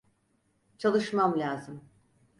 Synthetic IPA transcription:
t͡ʃʰalˠɯʃmamlʲaːzɯm

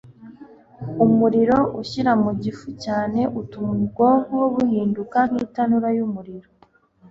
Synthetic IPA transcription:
umuɾiɾo̞ʔuçiɾamuɟifucaːne̞ʔutuːɡoŋoβuhiːndukan̥hiːtanuɾajumuɾiɾo

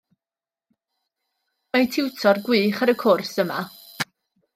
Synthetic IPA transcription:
majtʰɪwtʰɔrɡwiːχaɾəkʰʊrsəma

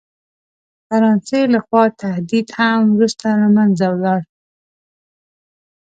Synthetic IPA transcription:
faɾɑnselaxwɑt̪ʰahd̪id̪hamwɾust̪alamanzawlɑɽ

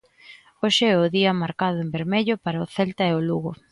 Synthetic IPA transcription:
oʃɪɛʊðiɐmaɾkaðʊembeɾmeʎʊpaɾaʊθelt̪ɐeʊluɣʊ

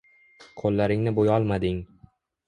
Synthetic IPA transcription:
qʰolˠːaɾɪŋnɪbojɒlˠmad̪ɪŋ

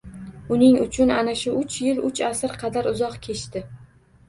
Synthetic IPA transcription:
ʊnɪŋʊt͡ʃʰʊnanaʃʊʔʊt͡ʃʰjɪlʊt͡ʃasɪɾqʰɑd̪aɾʊzɒqkʲʰe̞t͡ʃt̪ɪ

